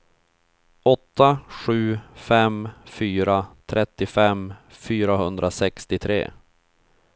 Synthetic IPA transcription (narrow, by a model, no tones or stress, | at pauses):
ɔt̪ːaɧʉ̟ːfɛmfyːɾat̪ʰɾʔɛt̪ːɪfɛmfyːɾaɦɵnd̪ɾasɛkst̪ɪt̪ʰɾḛː